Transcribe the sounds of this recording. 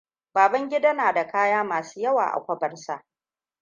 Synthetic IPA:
baː˨bɐ˦ŋɡʲɪ˦da˦naː˨da˨kaː˦jaː˦maː˨suː˦jɐ˦wa̰ː˨ʔa̰˨kʷɐ˦bɐ˨rsa˨ʔ

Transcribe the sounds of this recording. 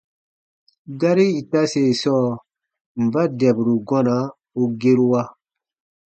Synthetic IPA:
ɡa˦ɾi˦i˨ta˦se˨sɔː˦˨ | m̩˨ba˦dɛ˨bu˨ɾu˨ɡɔ̃˦na˨˦ | u˦ɡe˦ɾu˦wa˦

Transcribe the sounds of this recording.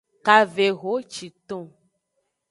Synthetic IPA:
ka˨ve˨ɣo˨˦t͡ʃi˨t̪õ˦

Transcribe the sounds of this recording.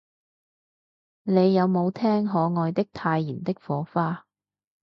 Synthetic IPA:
ne˨˧jːɐ˨˧wmo˨˧wt̪ʰɛː˥ŋɦɔː˨˧ŋɔː˨˧jt̪ɪ˥k̚t̪ʰaː˧jːiː˨˩nt̪ɪ˥k̚fɔː˨˧˥faː˥

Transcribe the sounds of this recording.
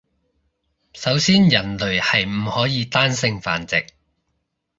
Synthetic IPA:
sɐ˨˥wsiː˥njɐ˨˩nlɵ˨ɥhɐ˨jm̩˨˩hɔː˨˥jiː˨˧t̪aː˥nsɪ˧ŋfa̰ː˨nt͡sɪ˨k̚

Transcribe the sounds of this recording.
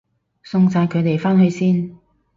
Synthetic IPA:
sʊ˧ŋsaː˨˧jkʰɵ˨˧ɥt̪e˨˩jfaː˥nhɵ˧ɥsiː˥n

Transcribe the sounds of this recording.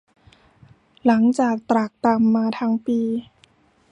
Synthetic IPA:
la˩˦ŋt͡ɕaː˨˩k̚t̪ɾa˨˩k̚t̪a˧mːaː˧t̪ʰa˦˥ŋpiː˧

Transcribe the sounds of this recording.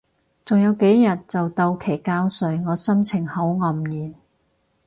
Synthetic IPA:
t͡sʊ˨ŋjɐ˨˧wke˨˥jjɐ˨t̚t͡sɐ˨wt̪ɐ˧wkʰe˨˩jkaː˥wsɵ˨˧ɥŋɔː˨˧sɐ˥mt͡sʰɪ˨˩ŋhɐ˨˥wŋɐ˨˩mjiː˨˩n

